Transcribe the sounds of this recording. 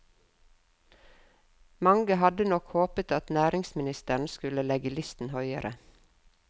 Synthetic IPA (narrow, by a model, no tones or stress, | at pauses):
mɑŋɡəhɑd̪ənɔkhoːpət̪ɑt̪næːɾɪŋsmɪnɪst̪əɳ̩skʉləlɛɡəlʏst̪n̩hœʏəɾʔə̰